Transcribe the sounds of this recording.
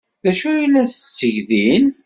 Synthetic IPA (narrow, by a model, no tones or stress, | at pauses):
ðæʃujilːæθəsːəʝðin